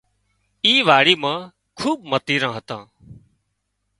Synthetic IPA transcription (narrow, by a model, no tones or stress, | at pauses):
iːʋaːɽiːmãː | kʰuːɓmət̪iːɾãːɦət̪ãː